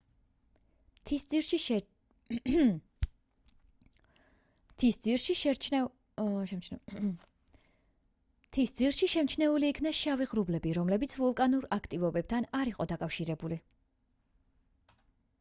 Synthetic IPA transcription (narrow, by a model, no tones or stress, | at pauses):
t̪ʰisiɾʃi | t̪ʰisd̪ziɾʃiʃɛ | ʃɛmt͡ʃ | t̪ʰisd̪ziɾʃiʃɛmt͡ʃʰnɛuliːkʰnaʃaviʁɾublɛbiɾɔmlɛbit̪sʰvɔlˠkʼanuɾakʰt̪ʼivɔbɛb̚t̪ʰanaɾiqʼɔd̪akʼafʃiɾɛbuli